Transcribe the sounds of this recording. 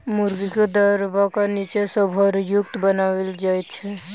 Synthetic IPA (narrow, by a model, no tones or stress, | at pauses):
muɾɡiked̪əɾbakanit͡ʃesəbʱɔɾjuk̚t̪bənaweld͡ʒajt̪̚t͡ʃʰɛ